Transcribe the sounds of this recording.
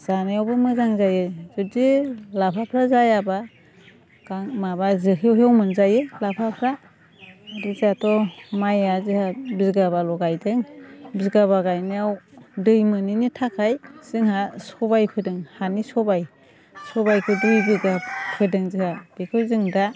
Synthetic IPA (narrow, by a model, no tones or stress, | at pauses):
z̥anajawbɯmɯzaŋzajɯz̥uzilapʰapʰɾazajaba | ɡ̥aŋmabazɯɦewɦeawmɯnzajɯlapʰapʰɾa | dizatʰɔmajazɯhabizɡaβalɔɡajdɯŋbizɡaβaɡajniawdɯjmɯninitʰakʰajz̥ɯŋɦasɔbajpʰɯdɯŋhanisɔbaj | sɔbajkʰɯdujbiɡapʰɯdɯŋzihab̥ikʰɯzɯŋda